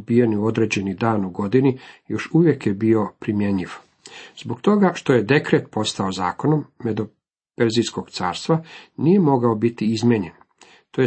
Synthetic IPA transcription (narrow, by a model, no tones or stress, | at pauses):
bijeniuo̞d̪ɾe̞d͡ʑe̞nid̪aːnuɡo̞d̪inijo̞ʃuʋje̞kjebio̞pɾimje̞ɲiʋ | z̥bokt̪o̞ɡaʃt̪o̞jed̪e̞kɾe̞t̪po̞st̪aozaːko̞nomːed̪o | peɾzisko̞ɡ̥t̪saːɾst̪ʋanije̞mo̞ɡaobit̪iizmʲjeɲe̞n | t̪oje